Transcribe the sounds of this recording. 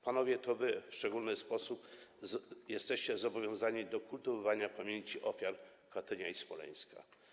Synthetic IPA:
panɔvʲjɛt̪ɔvɘfʂt͡ʂɛɡulnɘspɔsup | jɛst̪ɛɕt͡ɕɛzɔbɔvʲjɔ̃w̃zaɲid̪ɔkult̪ɨvɔvaɲapamʲjeɲt͡ɕiʔɔfʲjaɾ | kat̪ɛɲaispɔlɛ̰j̃ska̰

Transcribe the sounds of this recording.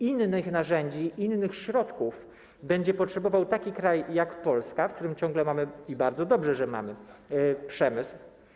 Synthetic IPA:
inːɘxnaʐɛɲd͡ʑiʔinːɘxɕɾɔt̪kuf | bɛɲd͡ʑɛpɔtʂɛbɔvawt̪akʲikɾajːakpɔlskafk̚t̪uɾɘmt͡ɕɔ̃ŋɡlɛmamɘibaɾd̪zɔd̪ɔbʐɛʐɛma̰mɘpʂɛmɘsw

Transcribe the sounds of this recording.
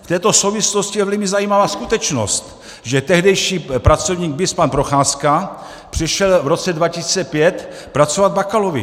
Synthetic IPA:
ft̪ɛːt̪o̞sowvɪsloscijɛvlɪmɪzajiːmavaːskut̪ɛt͡ʃno̰st̪ | ʒɛt̪ɛɦdɛjʃiːpɾat͡so̞vɲiːɡ̚bɪspanpɾo̞xaːska | pr̥ɪʃɛlvɾo̞t͡sɛdvacɪsiːt͡sɛpjɛt̪ | pɾat͡sovad̪̚bakalovɪ̰

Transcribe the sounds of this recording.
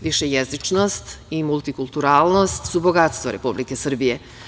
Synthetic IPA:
ʋiʃejezit͡ʃnost̪imult̪ikulˠt̪uɾaːlˠno̞st̪subo̞ɡat̪st̪ʋoɾe̞publikesr̩bije

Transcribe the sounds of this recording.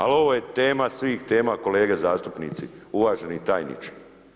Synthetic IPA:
a̰lo̞ʋo̞je̞t̪e̞ːmasʋiːxt̪e̞ːmako̞le̞ːɡe̞zaːst̪upnḭːt̪siuʋaːʒenit̪aːjnḭt͡ʃi̥

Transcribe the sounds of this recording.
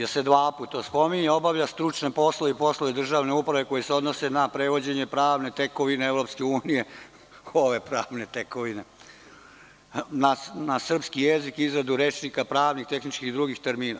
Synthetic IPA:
jesed̪ʋaːpuːt̪aspo̞miɲeo̞baʋʎast̪ɾut͡ʃnepo̞slˠoipo̞slˠoʋed̪r̩ʒaːʋne̞upɾaʋe̞ko̞jeseod̪nose̞napɾeʋo̞d͡ʑe̞ɲepɾaːʋne̞t̪eko̞ʋineeʋɾo̞pskeuːnije̞ | oʋe̞pɾaːʋne̞t̪ekoʋine̞ | nanasr̩pskijezikizɾad̪uɾet͡ʃnikapɾaːʋnixt̪e̞xnit͡ʃkixd̪ɾuːɡixt̪eɾmiːna

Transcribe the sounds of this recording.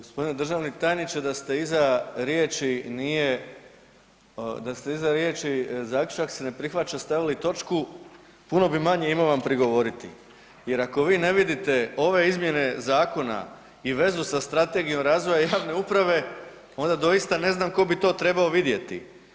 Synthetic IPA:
ɡospo̞d̪ined̪r̩ʒaːʋnit̪aːjnit͡ʃed̪ast̪e̞izaɾjeːt͡ʃinije | d̪ast̪e̞izaɾjeːt͡ʃizaːklʲu̥t͡ʃaksene̞pɾixʋat͡ʃast̪aʋilit̪o̞t͡ʃku | puno̞bimaɲe̞imoʋampɾiɡo̞ʋo̞ɾit̪ḭ | je̞ɾako̞ʋiːne̞ʋid̪it̪e̞o̞ʋe̞izmje̞ne̞zaːko̞na̰ | iʋe̞zusast̪ɾat̪e̞ɡijo̞mɾaːzʋo̞jajaːʋne̞upɾaʋe̞ | o̞nd̪ad̪o̞jist̪ane̞znamko̞bit̪o̞ːt̪ɾe̞baoʋid̪je̞t̪ḭ

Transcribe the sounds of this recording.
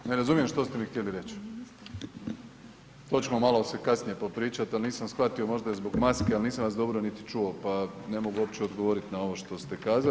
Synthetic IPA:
neɾazumijemʃt̪o̞st̪e̞mixt̪jeliɾe̞t͡ɕ | t̪o̞t͡ɕemomalo̞se̞kasnije̞po̞pɾiːt͡ʃat̪alniːsamsxʋat̪io̞mo̞ʒd̪aezbo̞ɡmaskealniːsamʋasd̪o̞bɾo̞nit̪i̥t͡ʃuo̞pane̞mo̞ɡuo̞p̚t͡ɕeo̞d̪ɡoʋo̞ɾit̪nao̞ʋo̞ʃt̪o̞st̪e̞kaːza

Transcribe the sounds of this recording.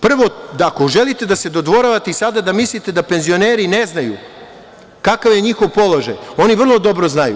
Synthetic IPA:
pr̩ʋo̞d̪aːkoʒe̞lit̪e̞d̪ase̞d̪od̪ʋo̞ɾaʋat̪eisad̪ad̪amislit̪e̞d̪ape̞nzio̞ne̞ːɾine̞znajṵ | kakaʋjeɲixo̞ʋpo̞lˠo̞ʒa̰jo̞niʋr̩lˠo̞d̪o̞bɾo̞znajṵ

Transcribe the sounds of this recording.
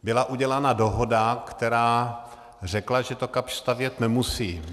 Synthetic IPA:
bɪlaʔuɟɛlanado̞ɦo̞dakt̪ɛɾaː | r̝ɛklaʒɛt̪okapʃst̪avjɛt̪nɛmusiː

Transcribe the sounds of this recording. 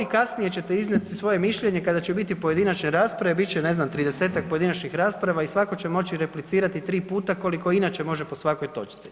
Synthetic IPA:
ikasnije̞t͡ɕe̞t̪eiznat̪isʋo̞jemiʃʎe̞ɲe̞kad̪at͡ɕebit̪ipo̞je̞d̪inat͡ʃneɾaːspɾaʋebit͡ʃene̞znamt̪ɾid̪e̞se̞ːt̪ak̚po̞jeinat͡ʃɲixɾaːspɾaʋaisʋako̞t͡ɕe̞mo̞t͡ɕiɾe̞plit̪siːɾat̪it̪ɾiːpuːt̪ako̞liko̞inaːt͡ʃe̞mo̞ʒepo̞sʋako̞jt̪o̞̰t͡ʃt̪si̥

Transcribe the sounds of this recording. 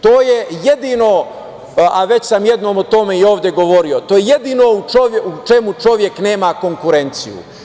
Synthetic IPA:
t̪o̞ːje̞je̞d̪ino̞ | aʋe̞t͡ɕsamje̞d̪no̞ːmot̪o̞meio̞ːʋd̪ʲje̞ɡo̞ʋo̞ɾio̞t̪oːjeje̞d̪iːno̞ut͡ʃoʋjeut͡ʃe̞mut͡ʃo̞ʋje̞kne̞ːmako̞ŋkuɾe̞nt̪sḭjṵ

